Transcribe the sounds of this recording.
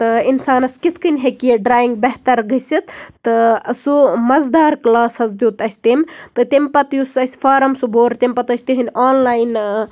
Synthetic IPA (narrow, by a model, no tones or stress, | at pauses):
t̪ɨinsaːnɐskit̪ʰkɨnʲɦekiɖɾaːiŋɡ̚beɦt̪ɐɾɡɐsit̪t̪ɨsumɐzd̪aːɾklaːsɐzd̪uːt̪ɐsʲt̪imt̪ɨt̪emʲpɐt̪jusɐsfʰaːɾɐmsuboːɾt̪ʲemʲpɐt̪ɐsʲt̪iɦɨnʲaːnlaːjn